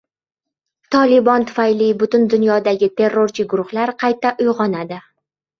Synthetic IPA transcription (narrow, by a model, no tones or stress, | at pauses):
t̪ʰɒlɪbɒnt̪ʰʊ̥fajlijbʊt̪ʊnd̪ʊnjɒd̪aɡʲɪt̪ʰe̞rːoɾt͡ʃʰɪɡʊɾʊχlaɾqʰɑjt̪aʔʊjʁɒnad̪ɪ